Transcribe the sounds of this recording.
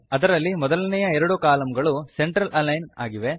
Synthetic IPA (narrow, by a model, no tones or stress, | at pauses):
ɐd̪ɐɾɐlːimɔd̪ɐlɐnɛjɐɛɾɐɽukaːlɐmɡɐɭuse̞ɳʈɾɐlʔɐlːɐjna̰ːɡiʋe̞